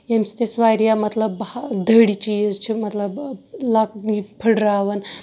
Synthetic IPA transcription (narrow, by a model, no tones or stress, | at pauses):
emsi̥t̪esʋajɾijamət̪ləbd̪ʱəɽit͡ɕit͡ʃʰimət̪ləblak̚nipʰəɽɾaʋən